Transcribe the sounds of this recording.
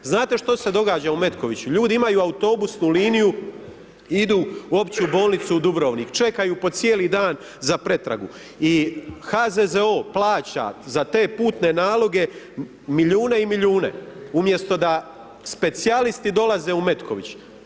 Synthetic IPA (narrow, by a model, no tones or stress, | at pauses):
znaːt̪e̞ʃt̪o̞se̞d̪o̞ɡaːd͡ʑaume̞t̪ko̞ʋit͡ɕuʎuːd̪iimajuaut̪o̞busnuliːniju | id̪uːo̞pt͡ɕiubo̞ːlˠnit̪sud̪ubɾo̞ʋnikt͡ʃe̞kajupo̞t̪sjeːlid̪aːn | zapɾe̞t̪ɾa̰ɡu | ixazezeo̞ːplaːt͡ɕa̰zat̪e̞ːpuːt̪ne̞naːlo̞ɡe̞ | miʎuːne̞imiʎuːne̞̰umje̞st̪o̞d̪a | spe̞t̪sialist̪id̪o̞lˠaze̞ːume̞t̪kʰo̞̰ʋḭt͡ɕ